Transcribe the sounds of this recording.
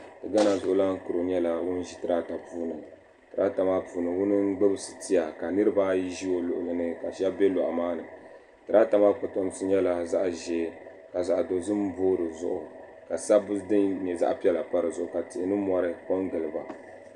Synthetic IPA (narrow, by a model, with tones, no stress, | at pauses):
tɨ˨ɡa˦na˨zʊ˨ʔʊ˨la˦ŋ̩˦ku˨ɾo˨ɲɛ˦la˦wʊ˦n˦ʒi˦tɨ˨ɾa˦ta˨puː˦nɨ˨ | tɨ˨ɾa˦ta˨maː˦puː˨nɨ˨wʊ˦nɨ˦ɡ͡bɨ˦bɨ˦sɨ̥˨ti˦ja˨ka˨nɨ˦ɾɨ˦ba˦ʒi˦o˨lʊ˨ʔʊ˨lɨ˨nɨ˦ka˨ʃɛ˦bɛ˦lɔ̰˨ʔa̰˨maː˦nɨ˨ | tɨ˨ɾa˦ta˨maː˦pʊ˨tɔ˦m˦sɨ˦ɲɛ˦la˦za˦ʔʒeː˨ | ka˨za˨ʔdo˨zɨ˦m˦boː˦ɾɨ˨zʊ̰˦ʔʊ˨ | ka˨sa˦bɨ˦dɨ˦ɲɛ˨za̰˦ʔpi˦ɛ˦la˨pa˦ɾɨ˨zʊ˦ʔʊ˨ka˨ti˨ʔɪ˦nɨ˦mɔ˦ɾɨ˨ko˦ŋɡɨ˨lɨ˨ba˨